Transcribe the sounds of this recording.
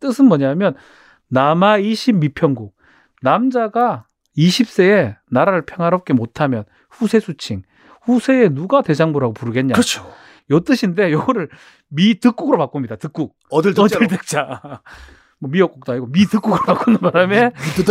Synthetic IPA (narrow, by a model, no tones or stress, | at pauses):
t͈ɯsʰɯnmʌɲamjʌn | namaiɕʰimːipʰjʌŋɡuk̚ | namd͡ʑaɡa | iɕʰip̚s͈e̞enaɾaɾɯɭpʰjʌŋɦaɾʌp̚k͈e̞motʰamjʌn | ɸusʰe̞sʰut͡ɕʰiŋ | ɸusʰe̞enuɡate̞d͡ʑaŋmuɾaɡopuɾɯɡe̞nɲat͡ɕʰo | jot͈ɯɕʰinde̞joɡʌɾɯɭ | mitɯk͈uɡɯɾopak͈umɲidatɯk͈uk̚dɯʌdɭtɯk̚t͡ɕ͈a | mʌmiʌk͈uk̚t͈oaiɡomitɯk͈uɡɯɾopak͈unɯnpaɾame